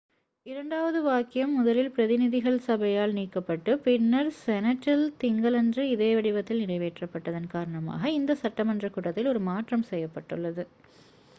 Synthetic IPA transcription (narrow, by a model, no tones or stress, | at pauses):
ɪɾɐɳɖaːʋɐðɯʋaːkɪjɐmːʊðɐlɪlpɪɾɐðɪnɪðɪɣɐɭsɐbɐjaːlniːkːɐpːɐʈːɯpɪnːɐɾsɛnɐʈːɐlt̪ɪŋɡɐɭɛndrɯɪðeːʋɐɽɪʋɐt̪ːɪlnɪɽɐɪʋeːʈrɐpːɐʈːɐðɐnkaːɾɐɳɐma̰ːɣɐɪnd̪ɐsɐʈːɐmɐndrɐkuːʈːɐt̪ːɪlɔɾɯmaːʈrɐmsɛjːɐpːɐʈːɯɭːɐðɯ